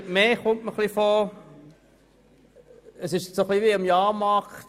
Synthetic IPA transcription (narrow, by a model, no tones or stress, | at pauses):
meːχʊmtməχlifoː | əsɪʃsoχliʋiɑmjɑːmɑχt